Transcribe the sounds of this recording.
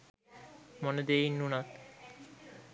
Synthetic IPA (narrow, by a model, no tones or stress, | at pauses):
moned̪einːunat̪